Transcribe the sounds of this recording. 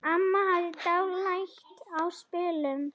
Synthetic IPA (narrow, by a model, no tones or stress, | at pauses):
amːahavðɪt̪awlajht̪awspɪːlʏm